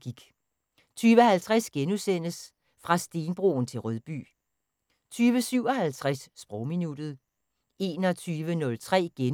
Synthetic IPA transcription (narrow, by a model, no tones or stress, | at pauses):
ɡ̥iɡ̥ | t͡sʰyːʋəɦælt͡sʰʁasɡ̥enusen̰əs | fʁɑ̈sd̥e̝ːnb̥ʁo̝ːn̩t͡sʰe̝lʁœðˠb̥y̰ː | t͡sʰyːʋəsyʊ̰ɒ̽ɦælt͡sʰʁasːb̥ʁɔʊminud̥ð̞̩ˠ | e̝ːnɒ̽t͡sʰyːʋənɔ̽lt͡sʰʁɛ̰ːɡ̥en